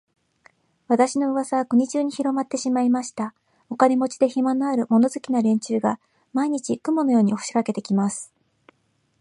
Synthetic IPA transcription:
βat̪aɕino̞ɯ̟βasaβakɯ̟ɲ̟it͡ɕɨːɲ̟içiɾo̞mat̪ːe̞ɕimaimaɕi̥t̪a | o̞kane̞mo̞t͡ɕi̥d̪e̞çimanoaɾɯ̟mo̞no̞zɨkʲinaɾẽ̞ɲt͡ɕɨːɡa | maiɲ̟it͡ɕikɯ̟mo̞no̞jo̞ːɲ̟ioɯ̟̥ɕi̥kake̞t̪e̞kʲimasɨ̥

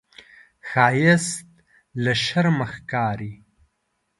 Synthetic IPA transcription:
xaːjest̪̚ | ləʃɐɾməxkaːɾi

